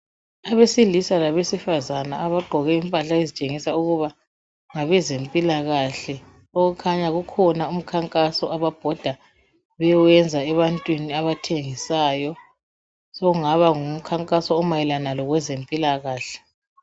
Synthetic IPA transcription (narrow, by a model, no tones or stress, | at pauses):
aβesilisalaβesifazanaaβaɡ͡ǃʱɔɣɛimpʼaɬaezit͡ʃʼeŋisauɣuβa | ŋaβɛzempʼilaɣaɬɛ | oɣukʰaɲaɣukʰɔnaum̩kʰaŋkʼasɔaβab̥ʱɔd̥ʱa | βɛjwɛnd͡zʱaɛβantʼwiniaβatʰeŋisaːjɔ | sɔɣuŋaβaŋum̩kʰaŋkʼasɔːmajɛlanalɔɣwɛzempʼilaɣaːɬɛ̥